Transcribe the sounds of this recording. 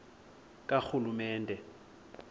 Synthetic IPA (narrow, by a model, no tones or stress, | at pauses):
kʼak͡xulumɛːndʱɛ